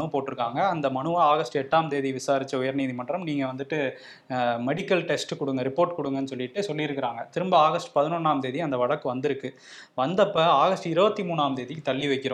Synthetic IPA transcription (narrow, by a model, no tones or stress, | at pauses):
ɐɯɐpoːʈːɪɾɯkːaːŋɡɐɐnd̪ɐmɐɳɯaːaːɣɐsʈɯɛʈːaːmd̪eːðiʋɪsaːɾɪt͡ʃːɐʊjɐɾniːðimɐɳɖɾɐmniːŋɡɐʋɐnd̪ɯʈːɯ | mɛɽɪkːɐlʈɛsʈkʊɽɯŋɡɐɾɪpːoːɾʈkʊɽɯŋɡɐnːɯsɔlːɪʈːɯsɔlːɪɪɾɯkːɪɾaːŋɡɐt̪ɪɾɯmbaaːɣɐsʈɯ̥pɐðɪnɔnːaːmd̪eːðiɐnd̪ɐʋɐɽɐkːɯʋɐnd̪ɪɾɯkːɯ | ʋɐnd̪ɐpːɐaːɣɐsʈɯɪɾɯʋɐt̪ːimuːɳaːmd̪eːðɪkːɯt̪ɐlːiʋɐɪkːɪɾʊ̃